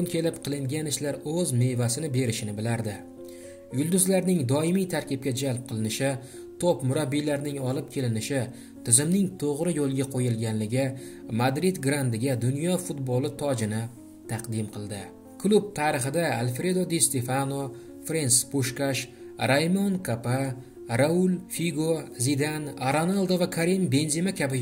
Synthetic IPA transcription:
ʊnkʲʰe̞lɪpqʰɨlˠɪŋɡʲanɪʃlaɾɵzme̞vasɪnɪbe̞ɾɪʃɪnɪbɪlaɾd̪ɪ | jʊlˠd̪ʊzlaɾnɪŋd̪ɒɪmijt̪ʰaɾkʲɪp̚kʲad͡ʒalˠp̚qʰɨlˠɪnɪʃɪ | t̪ʰopmʊɾabːijlaɾnɪŋɒlˠɪp̚kʲʰe̞lɪnɪʃɪ | t̪ʰɪzɪmnɪŋt̪ʰoʁɾɪjolˠɡʲaqʰojɪlˠɡʲanlɪɡʲɪmad̪ɾɪd̪ɡɾand̪ɪɡʲad̪ʊnjɒfut̪̚bolˠɪt̪ʰɒd͡ʒɪnɪ | t̪ʰɑqd̪ɪmqʰɨlˠd̪ɪ | kʰlˠub̚t̪ʰaɾɨχɨd̪aalfɾe̞d̪od̪est̪efano | fɾenspuʃkaʃ | ɾajmonkʰapa | ɾaʊlfiɡozid̪anaɾonalˠd̪ovakʰaɾimbe̞nzimakʲʰabɪ

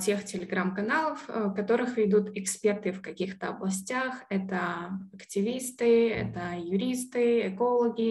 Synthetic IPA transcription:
tʲextʲɪlʲɪɡɾamkɐnalˠəfkɐt̪o̞ɾɨxvʲɪd̪ut̪ɪkspʲe̞rt̪ɨfkɐkʲixt̪əɐblˠɐsʲtʲaxɛt̪əɐktʲɪvʲist̪ɨɛ̰t̪əjʊɾʲist̪ɨɛko̞lˠəɡʲɪ

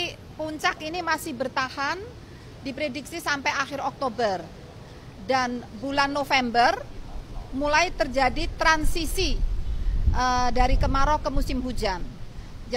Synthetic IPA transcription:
puɲt͡ʃakinimasɪhbərt̪ahan | dipɾedik̚sisampajaxɪrɔk̚t̪obər | danbulanːofɛmbər | mulajt̪ərd͡ʒadit̪ɾansisi | ʔədaɾikəmaɾɔkəmusɪmɦud͡ʒan | d͡ʒ

